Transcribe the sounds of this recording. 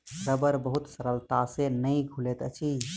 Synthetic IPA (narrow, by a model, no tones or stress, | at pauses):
səbəɾbəɦut̪səɾəlt̪asenəjɡʱulet̪ət͡ʃʰi